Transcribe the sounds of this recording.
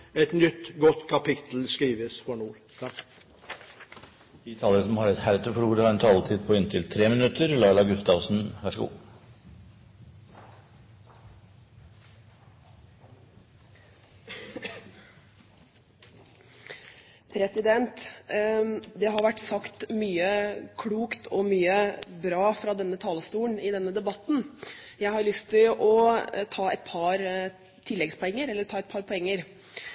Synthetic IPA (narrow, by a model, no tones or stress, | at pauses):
ɛt̪nʏt̪ːɡɔt̪ːkʰɑpɪt̪l̩skɾiːʋəsfɔɳuːɾʰ | d̪̥iːt̪ʰɑːləɾəsɔmhɑɾɛt̪hæɾt̪ʰəfɔɾuːɾəhɑɾɛnt̪ʰɑːlət̪ʰiːd̪̚pʰɔɪnt̪ʰɪlt̪ʰɾeːmənʉt̪əɾlɑːlɑɡʉst̪ɑʋsn̩ʋæʂəɡṵː | pʰɾɛsɪd̪ɛnt̪ | d̪ɛɦɑɾʋæʈːsɑkt̪myːəkʰɽuːkt̪ʰɔmyːəbɾɑːfɾɑd̪ɛnːət̪ʰɑːləst̪uːɳɪd̪ɛnːəd̪ɛbɑt̪ːn̩ | jæɪhɑɾlʏst̪ɪlʔɔt̪ʰɑːɛɪt̪̚pʰɑɾ | t̪ʰɪlːɛɡspʰɔɛŋːəɾɛlːəɾɛʈʰɑːɛt̪̚pʰɑɾpʰɔɛŋːəɾ